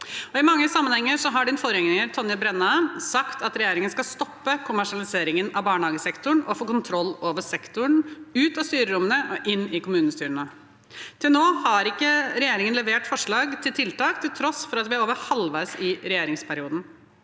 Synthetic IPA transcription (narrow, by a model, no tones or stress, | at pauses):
ɔɪmɑŋːəsɑmːənhɛŋːəɾʂɔɦɑɖɪnfoːɾəjɛŋnɪŋəɾt̪ʰɔnjəbɾɛnːɑsɑkt̪ʰɑt̪ɾɛjeːɾɪŋənskɑlst̪ɔpːəkʰʊmæʂɪɑlɪseːɾɪŋənɑʋbɑːɳəhɑːɡəsɛkt̪ʊɳʔɔfoːkʊnt̪ʰɾɔlːoːʋəʂɛkt̪ʊɳʉːt̪ɑst̪yːɾəɾʊmːənəɔʔɪnːɪkʊmʉːəst̪yːɾənə | t̪ʰɪlnoːhɑɾɪkːəɾɛjeːɾɪŋənlɛʋeːʈfɔʂɭɑːɡt̪ʰɪlt̪ʰɪlt̪ɑːkt̪ʰɪlt̪ʰɾɔsfɔɾɑt̪ʋɪæɾoːʋəɾhɑlʋæɪsɪɾɛjeːɾɪŋspʰæɾɪuːd̪n̩